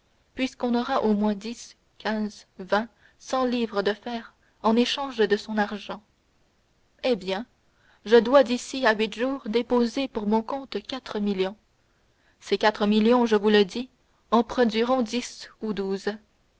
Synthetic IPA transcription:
pɥiskɔ̃nɔʁaʔomwɛ̃d̪is | kʲʰɛ̃zvɛ̃ | sɑ̃liːvʁəd̪əfɛːʁ | ɑ̃neʃɑ̃ːʒd̪əsɔ̃naʁʒɑ̃ | ebjɛ̃ | ʒəd̪wad̪isiaɥit̪ʒuːʁd̪epozepuʁmɔ̃kɔ̃t̪kʲat̪χəmiljɔ̃ | sekʲat̪χəmiljɔ̃ʒəvuləd̪i | ɑ̃pχɔd̪ɥiʁɔ̃d̪isud̪uːz

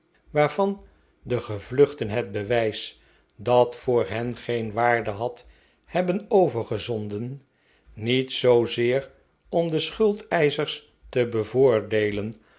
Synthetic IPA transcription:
ʋaːɹv̥ɑn | dəχəvlɵχtənɦɛd̚bəʋɛjs | dɑtfʊːɹɦɛnχejnʋaːɹdəɦɑt | hɛbənowvəɹχəzɔndənː | itsowzɪːɹ | ɔmdəsχɵlˠtɛjzəɹs | təbəvʊːɹdejlən

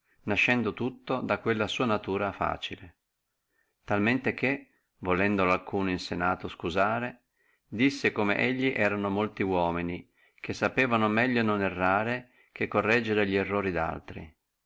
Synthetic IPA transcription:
naʃːɛnd̪ot̪ut̪ːod̪akːwelːasuːanat̪uːɾafa̰ːt͡ʃile | t̪almɛnt̪ek̟e | volɛnd̪olalkuːnoinsenaːt̪oskuzaːɾe | d̪isːekomḛʔeʎːiʔɛːɾanomolt̪iwɔːmini | k̟esːapɛːvanomɛʎːononɛrːaːɾe | k̟ekːorːɛd͡ʒːeɾeʎiɛrːoːɾid̪a̰lt̪ɾḭ

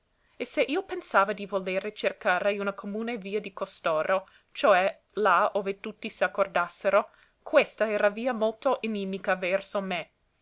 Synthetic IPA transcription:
eseʔiːopensaːvad̪ivoleːɾet͡ʃerkaːɾejunakʰomuːneviːad̪ikost̪oːɾo | t͡ʃoɛ | laoːvet̪ut̪ːisiakːord̪asːeɾo | kʰwest̪aɛːɾaviːɐmolt̪oʔininːikavɛrsome

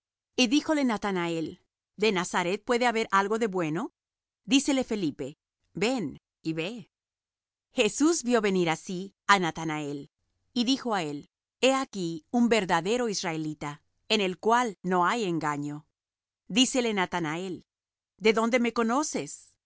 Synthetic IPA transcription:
iðixo̞le̞nat̪anae̞l | d̪e̞nasaɾe̞t̪̚pwe̞ðe̞aβe̞ɾʔalɣo̞ðe̞βwe̞no̞ | d̪ise̞le̞fe̞lipe̞ | be̞n | iβe | xe̞suzbjo̞βe̞niɾasi | anat̪anae̞l | iðixo̞ae̞l | e̞akiumbe̞ɾðaðe̞ɾo̞israelit̪a | ene̞lkwalno̞aje̞ŋɡaɲo̞ | d̪ise̞lenat̪anae̞l | d̪e̞ðo̞nd̪e̞me̞ko̞no̞se̞s

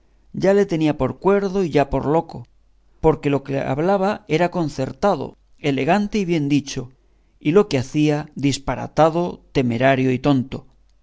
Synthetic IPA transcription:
ɟ͡ʝale̞t̪e̞niapo̞ɾkwe̞ɾðo̞iʝapo̞̰ɾlo̞ko | po̞ɾke̞lo̞kea̰βlaβae̞ɾako̞nθe̞ɾt̪að̞o̰ | e̞le̞ɣant̪eiβ̞je̞nd̪it͡ʃo | ilo̞keaθiaðispaɾa̰t̪aðo̞t̪e̞me̞ɾaɾjo̞it̪o̞nt̪o̞

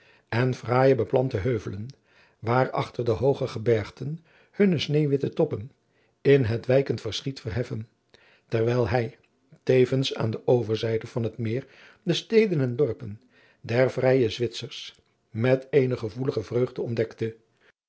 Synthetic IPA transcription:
ɛnv̥raːjəbəplɑntəɦøɥvələn | ʋaːrɑ̰χtəɹdəɦowχəχəbɛɹχtən | hɵnəsnejʋɪtətɔpən | ɪnɦətʋɛjkəntfəɹsχitfərɦɛfən | tɛɹʋɛjlˠɦɛj | tejvənsa̰ːndəʔowvəɹzɛjdəv̥ɑnɦətmɪːr | dəstejdənɛndɔɹpən | dɛɹvrɛjəzʋɪtsəɹs | mɛtejnəχəvuləχəvrøɥχdəɔndɛktə

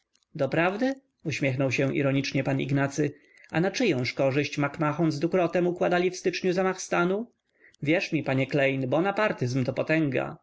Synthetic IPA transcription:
d̪ɔpɾavd̪ɘ | uɕmʲjɛxnɔwɕɛ̃ʔḭɾɔɲit͡ʂɲɛpanḭɡnat̪sɘ | anat͡ʂɘjɛ̃w̃ʂkɔʐɘɕt͡ɕmakmaxɔnzd̪vukɾɔt̪ɛmukwad̪alʲifst̪ɘt͡ʂɲuzamaxst̪anu | vʲjɛʂmʲipaɲɛklɛjnbɔnapaɾt̪ɘzmt̪ɔpɔt̪ɛŋɡa̰

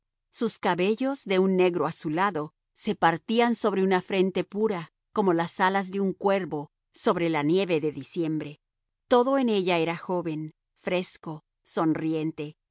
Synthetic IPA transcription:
suskaβe̞ʝo̞zðe̞unːe̞ɣɾo̞asulaðo̞ | se̞paɾt̪ianso̞βɾe̞unafɾe̞nt̪e̞puɾa | ko̞mo̞lasalazðeuŋkwe̞ɾβo̞ | so̞βɾe̞lanje̞βe̞ðe̞ðisje̞mbɾe̞ | t̪o̞ðo̞ene̞ʝae̞ɾaxo̞βe̞n | fɾe̞sko̞ | so̞nrije̞nt̪e̞

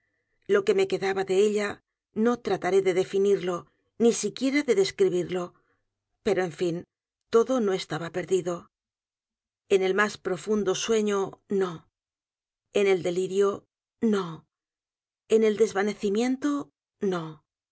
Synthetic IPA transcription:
lo̞ke̞meke̞ðaβaðe̞eʎa | no̞t̪ɾat̪aɾe̞ðe̞ðe̞finiɾlo̞ | nisikje̞ɾaðe̞ðe̞skɾiβ̞iɾlo̞ | pe̞ɾo̞e̞ɱfin | t̪o̞ðo̞no̞e̞st̪aβape̞ɾðiðo̞ | e̞ne̞lmaspɾo̞fund̪o̞swe̞ɲo̞no̞ | ene̞ld̪e̞liɾjo̞ | no̞ | e̞ne̞ld̪e̞zβane̞θimje̞nt̪o̞ | no̞

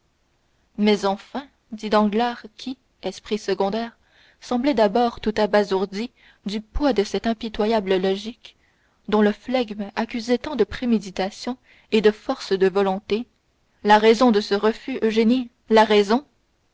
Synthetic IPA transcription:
mɛzɑ̃fɛ̃ | d̪id̪ɑ̃ɡlaːʁkʲʰi | ɛspχisəɡɔ̃d̪ɛːʁ | sɑ̃blɛd̪abɔːʁt̪ut̪abazuʁd̪i | d̪ypwad̪əsɛt̪ɛ̃pit̪wajabləlɔʒik | d̪ɔ̃ləflaɡmakʲyzɛt̪ɑ̃d̪əpχemed̪it̪asjɔ̃ | ed̪əfɔʁsd̪əvɔlɔ̃t̪e | laʁɛzɔ̃d̪əsəʁəfyʔøʒeni | laʁɛzɔ̃

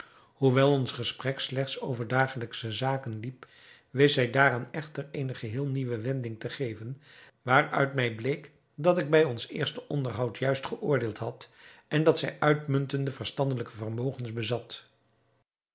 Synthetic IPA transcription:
huʋɛlˠɔnsχəsprɛkslɛχtsowvəɹdaːχələksəzaːkənlip | ʋesɛjdaːraːnɛχtərejnəχəɦɪːlˠniʋəʋɛndɪŋtəχejvən | ʋaːrœ̰ɥtmɛjblejk | dɑtɪɡ̚bɛjɔnsɪ̰ːɹstəʔɔndəɹɦɑwtʰjœɥstχəʔʊːɹdɪːlˠtɦɑtɛndɑtsɛjʔœɥtmɵntəndəvəɹstɑndələkəvərmowχənsbəzɑt

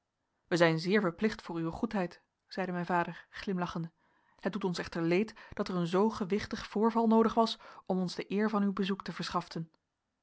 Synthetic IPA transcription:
ʋəzɛjnzɪːɹvəɹplɪχtfʊːɹyʋəχutɦɛjt | z̥ɛjdəmɛjnvaːdəɹχlɪmlɑχəndə | həd̚dutɔnsɛχtəɹlejtd̥ɑtɛɹənzowχəʋɪχtəχfʊːɹvɑlˠnowdəχʋɑsɔmɔnzdəʔɪːɹvɑnywbəzuktəvəɹsχɑftən

